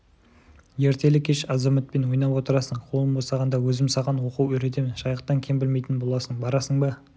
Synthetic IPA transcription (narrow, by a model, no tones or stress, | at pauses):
je̞ɾt̪e̞lɪkʲʰeʃɑzɑmɪt̪̚pe̞nwo̞jnɑwwo̞t̪əɾɑsəɴqʰolˠəmbosɑʁɑnd̪ɑwɵzɪmsɑʁɑnwo̞quwɵɾe̞t̪e̞mɪnʃɑjəqt̪ːɑŋkʲʰembɪlme̞jt̪ɪnbo̞lˠɑsəɴbɑɾɑsəɴbə